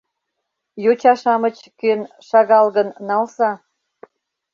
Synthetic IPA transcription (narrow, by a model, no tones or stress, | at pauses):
jot͡ɕɑʃɑmət͡ɕkøn | ʃɑɣɑlɣənːɑlsɑ